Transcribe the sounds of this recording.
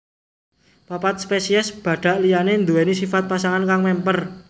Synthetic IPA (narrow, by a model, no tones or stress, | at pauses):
papat̪̚spesiɛsb̥ä̤ɖ̪̥ä̤ʔlijanend̪uenisifat̪̚pasaŋankaŋmɛmpər